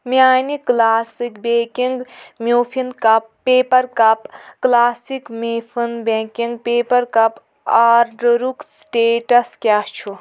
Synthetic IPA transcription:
miaːniklaːsikbeːkiŋɡmʲjuːfʰinkɐpːeːpɐɾkɐpklaːsikmifʰɨnbẽkiŋɡ̚peːpɐɾkɐp | aːɾɖɾuksʈeːʈɐskʲaht͡ʃʰu

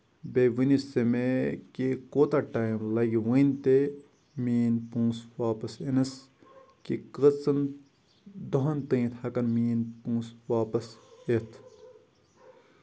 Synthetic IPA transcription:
beʋinisemekikoːt̪aʈaːjmlɐɡiwɨ̃jnt̪e | miːnpũːswaːpɐsenɐs | kikət͡sɐn | d̪oɦɐnt̪ɨ̃ːĩt̪hɐkɐnmiːnpũːswaːpɐset̪ʰ

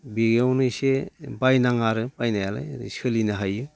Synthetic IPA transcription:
biɡewnɯsebajnaŋaɾɯbajnajala̰jdḭsɯlinɯɦajɯ

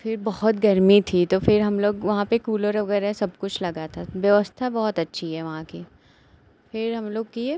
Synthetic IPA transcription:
fɪɾbɐhɔt̪ɡɐɾmit̪ʰit̪ofɪɾɦɐmloːɡʋɐɦãpekuːlɔɾʋɐɡɛːɾaɦsɐb̚kʊt͡ʃʰlɐɡat̪ʰaʋjɐʋəst̪ʰabɔːɔt̪ɐtːʃʰiɦɛʋɐɦãki | fɪɾɦɐmloːɡ̚kie

